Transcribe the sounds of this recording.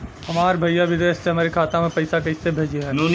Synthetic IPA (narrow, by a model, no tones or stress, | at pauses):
ɦɐmaːɾbʱɐjːaʋɪd̪eːsːeɦɐmaːɾekʰaːt̪amẽpɐɪsakɐisebʱeːd͡ʒeɦɛ̃ːnuːn